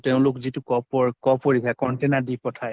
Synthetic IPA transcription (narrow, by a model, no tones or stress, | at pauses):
teʊ̃lʊkzitʊkɔɔɹkɔpoɹikʰakɔntenadipɔtʰaj